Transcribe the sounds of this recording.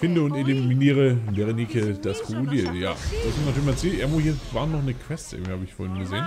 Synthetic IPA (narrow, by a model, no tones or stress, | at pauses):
fɪndəʊnteliminiːʁəveʁenikʰəd̥askʰodiəlja̰ːd̥askʰɔmtnatyːɐɪçmant͡siːʔemʊhiːɐvaːnːɔχnəkv̥ɛstʔɪ̰ɡŋviːhaːbəɪçfoɐhɪnɡəzeːn